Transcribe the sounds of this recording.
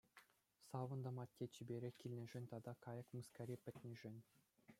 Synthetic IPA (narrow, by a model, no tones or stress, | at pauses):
sɑʋɤ̆nd̪ɤ̆mɑtʲːet͡ɕibʲeɾʲɘ̆kʲilʲnʲɘ̆ʐɘ̆nʲt̪ɑd̪ɑkɑjɤ̆kmuskɑɾʲepʲɘ̆t̪ʲnʲiʐɘ̆nʲ